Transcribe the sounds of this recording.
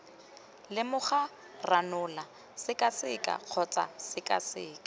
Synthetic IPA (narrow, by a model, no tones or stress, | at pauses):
lɪmʊχa | ranʊla | sɪkʼasɪkʼa̰q͡χʰɔt͡sʼa̰sɪkʼasɪ̰ːkʼḁ